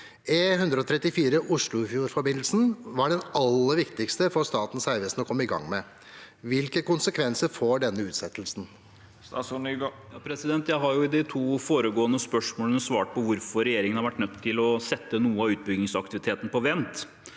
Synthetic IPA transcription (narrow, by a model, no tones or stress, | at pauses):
ɪɦʉnd̪ɾəɔt̪ʰɾɛt̪ːɪfiːɾəʔʊʂɭʊfjuːɾfɔɾbɪnl̩sn̩ʋɑɖɛnɑlːəɾʋɪkt̪ɪkst̪əfɔɾst̪ɑːt̪n̩sæɪʋəsn̩ɔkʰɔmːəɪɡɑ̰ŋmɛ | ʋɪlkəkʊnsəkʰʋɛnsəɾfoːɖɛnːəʉːt̪sɛt̪ːlsn̩ | jɑpʰɾɛsɪd̪ɛnt̪jæɪɦɑɾjʊɪd̪ɪt̪ʰuːfoːɾəɡoːənəspœʂmoːlənɔsʋɑːʈ̚pʰɔʋʊɾfɔɾɛjeːɾɪŋənhɑɾʋæʈːnœt̪ʰːɪlɔsɛt̪ːənuːəɑʉːt̪̚bʏɡnɪŋsɑk̚t̪ɪʋɪt̪ʰeːt̪n̩əpɔʋɛnt̪